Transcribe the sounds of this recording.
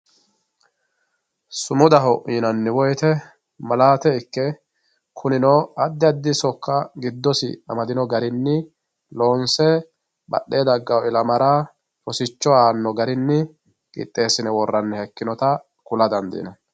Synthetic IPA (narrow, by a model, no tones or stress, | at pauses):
sʊmʊd̪ɐɦɔʔiːnɐnːɪwɔjt̪ɛ | mɐlaːt̪ɛɪkːɛ | kʰʊnɪnɔɐd̪ːɪɐd̪ːɪsɔkːɐɡɪd̪ːɔsɪ̰ɐmɐd̪ɪnɔɡɐɾɪnːɪ | loːnsɛ | bɐ̰ɗːeːd̪ɐɡːɐwɪlɐmɐɾa | fɔsɪt͡ʃːɔaːnːɔɡɐɾɪnːɪ | kʼɪ̰t̪ʼːe̞ːsɪnɛwɔrːɐnːɛhɛkːɪnɔt̪ɐ | kʊlɐd̪ɐnd̪ḭːnɐ